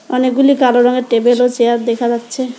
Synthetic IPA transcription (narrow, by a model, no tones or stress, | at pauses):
ɔnekɡulikaloɾɔŋeɾʈebelot͡ɕeaɾd̪ɛkʰad͡ʑatːɕʰe